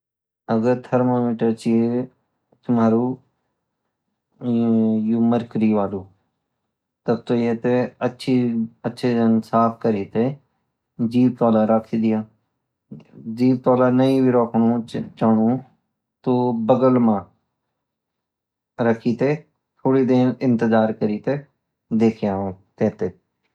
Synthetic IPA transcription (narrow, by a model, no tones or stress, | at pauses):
əɡəɾt̪ʰəɾmaːmɪːʈəɾt͡ʃie | t̪ʰʊmaːɾuː | juːməɾkɾiːʋaːluː | t̪əb̚t̪oːjeːt̪eətːʃʰiətːʃʰeːd͡ʒənsaːpʰkəɾiːt̪eː | d͡ʒiːb̚t̪ɔːlaːɾakʰiːd̪ɪjaː | d͡ʒiːb̚t̪ɔːlaːnəĩːbiɾoːkʰɳõːt͡ʃaːnõː | t̪oːbəɡəlmãː | ɾəkʰiːt̪eː | t̪ʰoːɽiːd̪eːnɪ̃nt̪əzaːɾkəɾiːt̪eː | d̪eːkʰjãːt̪eːt̪eː